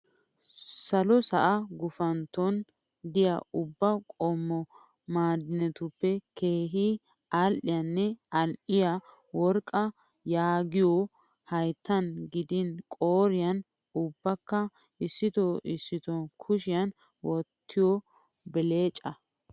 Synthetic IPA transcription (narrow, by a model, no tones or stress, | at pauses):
sɐlɔsɐʔɐɡʊfɐnt̪ːɔn | d̪ɪja̰ʊbːɐkʼɔmːɔ | maːd̪ɪnɛt̪ʊpːɛke̞ːɦɪ | alʔɪjɐnːɛɐnʔɪjawɔɾkʼːɐ | jaːɡɪjɔ | hɐjt̪ːɐnɡɪd̪ɪnkʼoːɾɪjɐn | ʊbːɐkːɐ | ɪsːɪt̪ɔɪsːɪt̪ɔkʰʊʃɪjɐn | wɔt̪ʰːɪjɔ | bɪle̞ːt͡ʃʼːɐ